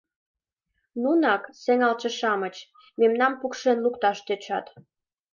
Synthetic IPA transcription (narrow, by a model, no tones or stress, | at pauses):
nunɑkseŋɑlt͡ɕĕʃɑmət͡ɕ | memnɑmpukʃenlukt̪ɑʃt̪øt͡ɕɑ̰t̪